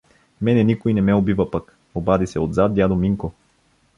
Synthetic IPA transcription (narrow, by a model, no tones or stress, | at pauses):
mɛnɛnikojnɛmɛobivəpək | obad̪isɛod̪zat̪̚d̪ʲjad̪omiŋko